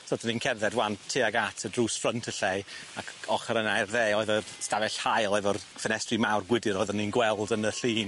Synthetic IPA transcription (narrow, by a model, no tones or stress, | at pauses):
tʰɔːtʰəniːnkʰɛrðɛdwantʰːiːaɡatʰədruːsfrəntʰəɬejakʰɔχəɾənajrðeːɔɨðɔrstavɛɬhajlˠɔɨðɔrfənɛstrimawrɡwɪdɪɾɔɨðɔninɡwɛlˠdənəɬiːn